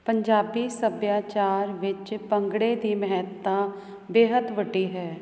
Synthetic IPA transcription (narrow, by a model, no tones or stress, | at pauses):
pəɲd͡ʒaːbiːsəbjaːt͡ʃaːɾʋɪt͡ʃpə̃ŋɡɽeːd̪iːmɛɦɛtt̪ːãː | beːɦəd̪ʋəɖiːɦɛː